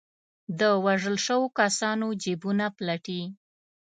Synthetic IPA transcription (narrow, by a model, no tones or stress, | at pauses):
d̪əwaʐəlʃəwokasɑnod͡ʒebunaplaʈi